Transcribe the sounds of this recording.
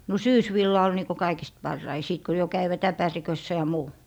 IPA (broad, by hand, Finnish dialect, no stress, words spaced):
no syːsʋilːɑ ol niːko kɑikist pɑrːɑi siˑt ko jo kæiʋæt æpærikøsːæ jɑ muː